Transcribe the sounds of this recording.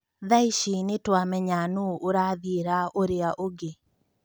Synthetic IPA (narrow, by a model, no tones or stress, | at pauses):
ðaiʃinetwamɛɲanooɾaðiɾaoɾeaʔoɡe